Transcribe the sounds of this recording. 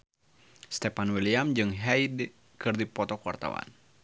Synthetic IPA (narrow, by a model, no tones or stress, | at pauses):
st̪ɛpanwiliamd͡ʒɨŋɦɛid | kɨrdipɔt̪ɔkuwa̰rt̪a̰wa̰n